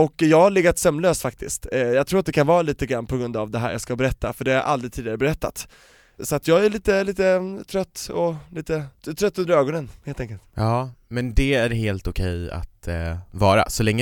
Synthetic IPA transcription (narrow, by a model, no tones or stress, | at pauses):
ɔkːjɑːɡhaɭɪɡːat̪sœmːløːsfak̚t̪ʰɪ̰skt̪jɑːɡt̪ʰɾuːɾat̪d̪ɛkʰanvɑːɾaliːt̪əɡɾanːpʰɔɡɾɵnd̪avd̪ɛɦæ̰ːɾjɑ̰ːɡskabɛɾɛt̪ʰːa̰fœɖɛhaa̰ɾʔa̰ld̪ɾɪt̪ʰiːd̪ɪɡaɾəbɛɾɛt̪ːa̰t̪ | sɔat̪jɑːɡæɭiːt̪əliːt̪ət̪ʰɾœt̪ːɔliːt̪ət̪ʰɾœt̪ːɵnd̪əɾøːɡɔnənheːlt̪ɛŋkəlt̪jɑːmɛnd̪ɛæɾɦeːlt̪ʊkʰɛja̰t̪vɑːɾa̰sɔlɛŋːə